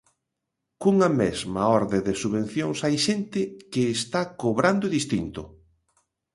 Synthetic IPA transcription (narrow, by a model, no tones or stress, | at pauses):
kuŋɐmɛzmaɔɾðeðesuβẽnθjoŋsajʃent̪ɪkɪːst̪akoβɾand̪ʊðist̪int̪ʊ